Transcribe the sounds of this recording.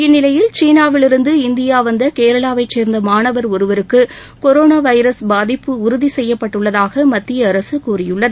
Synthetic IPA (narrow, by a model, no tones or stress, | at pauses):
ɪnːɪlɐjɪlt͡ʃiːnaːʋɪlɪɾɯnd̪ɯɪnd̪ɪjaːʋɐnd̪ɐkeːɾɐɭaːʋɐɪt͡ʃːeːɾnd̪ɐmaːɳɐʋɐɾɔɾɯʋɐɾɯkːɯ | kɔɾoːnaːʋɐɪɾɐsbaːðɪpːɯʊɾʊðisɛjːɐpːɐʈːɯɭːɐðaːɣɐmɐt̪ːɪjɐːɾɐsɯkuːrɪjɯɭːɐðɯ